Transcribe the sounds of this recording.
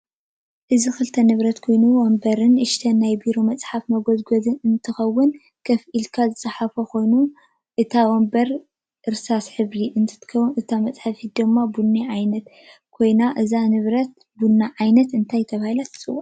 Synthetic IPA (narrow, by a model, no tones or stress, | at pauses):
ʔɨzixɨlt̪ʰɐnɨβɾɐt̪kʰo̞jnuwɐmbɐɾɨnʔɨʃt̪ʰɐnajbiɾo̞mɐt͡sʼħafmɐɡozɡozɨnɨnt̪ʰɨxɐwːʊn | kʰɐfʔilkʰazɨt͡sʼaħafɐko̞jnu | ʔɨt̪ʰawɔmbɐɾ | ʔɨɾsasħɨβɾiʔɨnt̪ʰɨ̥t̪ʰɨ̥ɐwnɨt̪ʰamɐt͡sʼħafid̪ɨmːabunːaʕajnɐt̪ | kʰo̞jnaʔɨzanɨβɾɐt̪̚ | bunːaʕajnɐt̪ɨnt̪ʰajt̪ʰɐβahilat̪ʰɨ̥t͡sʼɨw